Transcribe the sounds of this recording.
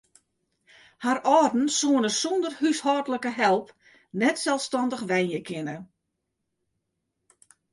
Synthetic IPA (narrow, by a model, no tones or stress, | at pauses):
harɔːrdn̩suənəsundərhyshɔdələkəɦɛlˠp | nɛtsɛlˠfstɔndəχʋɛjnjəkʰɪnə